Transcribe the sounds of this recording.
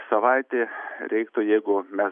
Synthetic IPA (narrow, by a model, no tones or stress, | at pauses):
sɐʋɐɪt̪ʲeːɾʲɛɪkt̪ʊjɛɪɡʊmʲɛs